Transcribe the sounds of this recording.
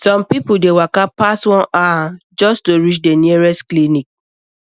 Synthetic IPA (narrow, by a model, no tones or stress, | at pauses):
sɔ̃mpipudewakapastwɔ̃nad͡ʒɔstoɹit͡ʃdeniɹɛsklinik̚